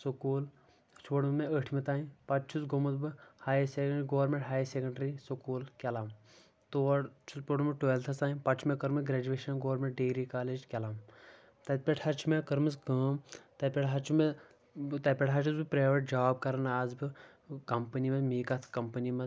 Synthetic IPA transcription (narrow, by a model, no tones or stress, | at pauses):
sokuːl | t͡ʃʰoɽmeəʈʰmet̪aːĩpɐtt͡ʃʰusɡomɐt̪bɨhaːjsekɳɡoːɾmeɳʈɦaːjsekɐɳɖɾisokuːlkʲɛlaːm | t̪oːt͡ʃʰuspoɽumɐʈojelt̪ʰɐsaːĩpɐt͡ʃʰmekɐɾmɨɡɾeːd͡ʒueːʃɐnɡoːɐɾmẽɳʈ̚ɖeːɾikaːleːd͡ʒkʲɛlaːm | t̪ɐt̪̚ʲpʲeʈʰhɐt͡ʃʰumekɐɾmɨs̬ɡɐːmt̪ɐpʲeʈɦɐt͡ʃʰume | t̪ɐpʲeʈɦɐt͡ʃʰusbɨpɾeːʋɐʈ̚d͡ʒɐaːb̚kɐɾɐnaːzbɨ | kɐmpənimɐmiːkɐt̪ʰkɐmpənimɐ